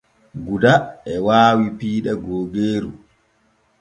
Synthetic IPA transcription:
ɡudaɛwaːwipiːɗɛɡoːɡeːɾṵ

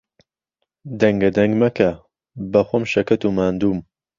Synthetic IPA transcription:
d̪ɐŋɡɐd̪ɐŋɡmɐkʰɐ | bɐxʷomʃɐkɐt̪umaːnd̪uːm

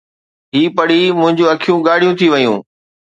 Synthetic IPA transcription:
ɦiːpɐɽ̤imʊ̃ɦɪ̃ɲd͡ʑũɐkʰijũɡaːɽ̤ijũt̪ʰiʋɐjṵ̃ː

